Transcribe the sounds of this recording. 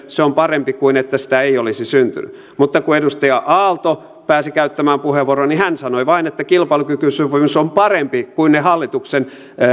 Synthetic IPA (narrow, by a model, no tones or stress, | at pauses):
seompɑrempikuinet̪ːæsi̥t̪æeiolisisynt̪y̰ny̰ | mut̪ːɑkuedust̪ɑjɑʔɑːlt̪o | pæːsikæyt̪ːæmæːmpuheʋːoronihænsɑnoiʋɑinet̪ːækilpɑilukykysupimusompɑrempikuinehɑlːit̪uksen